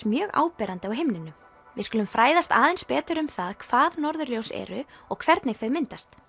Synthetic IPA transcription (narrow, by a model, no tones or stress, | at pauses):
mjœːɣa̰ːwpɛːɾant̪ɪawɦɪmnɪnʏ | vɪðskʏːlʏmfɾaːjðast̪a̰ːðɛnspɛːt̪ʏɾʏmθaðkʰvaːðnɔɾðʏɾljowsɛ̰ːɾʏɔɣkʰvɛɾt̪nɛɣθœɥmɪnt̪ast̪